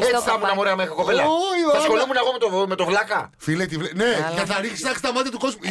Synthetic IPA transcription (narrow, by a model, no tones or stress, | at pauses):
esi̥st̪ɐmunɐmoɾeɐmexɾioko̞pelɐojɐsxolimuneɣo̞met̪ome̞t̪o̞vlɐkɐfilet̪ivlenejɐθɐɾixsnɐxst̪ɐmɐt̪jɐt̪uko̞zmu